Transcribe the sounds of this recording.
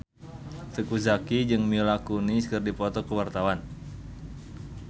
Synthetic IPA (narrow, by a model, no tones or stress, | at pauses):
t̪əkuzakid͡ʒɨŋmilakuniskɨrdipɔt̪ɔkuwart̪awan